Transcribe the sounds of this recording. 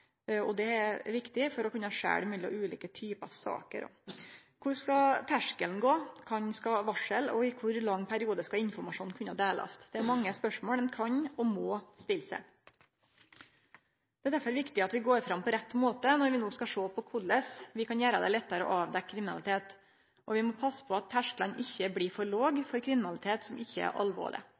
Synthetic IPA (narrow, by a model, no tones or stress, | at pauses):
ɔd̪ɛæɾʋɪkt̪ɪfɔɾɔkʉnːəhɑʂæ̰ːɽmyːlɪɔ̰ʔʉːliːkət̪ʰyːpəɑ̰ʋsɑ̰ːkə̰ɾɔ̰ | kʰʊɾskɑt̪ʰæʂkəln̩ɡoːkʰɑnskɑʋɑʂəlɔɪkʰʊɾlɑŋːpʰæɾɪuːd̪əskɑɪnfɔɾmɑʂuːnkʰʉnːəhɑd̪eːlɑ̰st̪d̪̥ɛæɾmɑŋːəspœʂmoːlɛnkʰɑɲɔmɔːst̪ɪlːsə̰ | d̪̥ɛæd̪æɾfɔɾʋɪkt̪ɪɑt̪ʋɪɡoːɾfɾɑmpʰɔɾɛt̪ːmoːt̪ənɔɾʋɪnoːskɑʂoːpʰɔkʰʊlːəsʋɪkɑnjæːɾəd̪ɛ̰lɛt̪ːəɾə̰ʔɑʋd̪ɛkʰɾɪmɪnɑ̰lɪt̪ʰeːt̪ | ʔɔʋɪmɔpʰɑsːə̥pʰɔɑt̪ʰːæʂklɑnʔɪçːəbliːfɔɾɭoːɡfɔɾkʰɾɪmɪnɑlɪt̪ʰeːt̪sɔmɪçːəæ̰ɾʔɑ̰lʋo̰ːɭɪ̰